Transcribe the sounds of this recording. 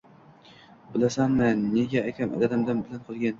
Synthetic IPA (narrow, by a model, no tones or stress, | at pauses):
b̥ɪlasanmɪnːeɡʲaːkʲʰamʔa̰d̪ad̪amd̪anbɪlanqʰɨlˠɡʲan